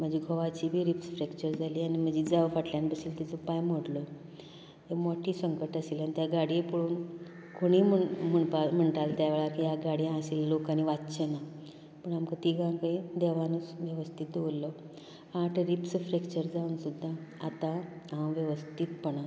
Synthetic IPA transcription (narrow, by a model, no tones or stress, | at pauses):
m̤əd͡ʑʱiːɡʱɔʋat͡ɕiːbʱiːɾipsfɾekt͡ɕəɾd͡zaliːanim̤əd͡ʑid͡zaʋfaʈljanbəsiːlt̪it͡sɔpajmoɽlɔ | ɦemoʈʰiːsəŋkəʈəsilanit̪jaɡaɽipoɽuːn | kʰoɽ̃iːməm̤əɳpam̤əɳt̪alt̪jaʋeɭaɾkijaɡaɽiasiːllokaniʋatt͡ɕena | pəɳamkət̪iɡãkəjd̪eʋanusʋjəʋəst̪ʰit̪̚d̪eʋolːɔ | aʈʰɾipsfɾekt͡ɕəɾd͡zauːnsud̪ʱːaa̰t̪ããwʋjəʋəst̪ʰit̪pəɳa